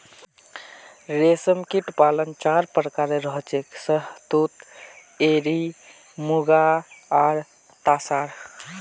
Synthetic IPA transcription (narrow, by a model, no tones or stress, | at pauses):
ɾesəmkiʈpalənt͡ʃaɾpɾəkaɾeɾəɦt͡ʃeksəɦt̪ut̪ | eɾi | muɡaaɾ | t̪asaɾ